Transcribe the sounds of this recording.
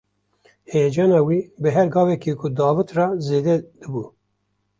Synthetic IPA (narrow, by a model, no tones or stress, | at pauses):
heːd͡ʒɑːnɑːwiːbɨɦɛɾɡɑːvɛkikʰʊd̪ɑːvɨt̪rɑːzeːd̪ɛd̪̥ɨbuː